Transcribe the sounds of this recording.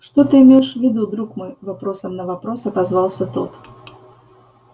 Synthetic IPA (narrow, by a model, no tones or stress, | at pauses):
ʂt̪ot̪ɨɪmʲeʂvʲɪd̪ud̪ɾukmɨvapɾɔsəmnɐvapɾɔsɐt̪azvalˠsʲət̪o̰t̪